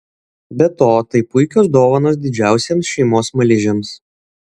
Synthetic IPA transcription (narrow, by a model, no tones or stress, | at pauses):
bʲɛt̪oːt̪ɐɪpʊɪkʲoːsd̪oːʋɐnoːs̬d̪ʲɪd͡ʒʲæˑʊsʲeːmsʃʲɛɪmoːsmɐlʲɪʒʲems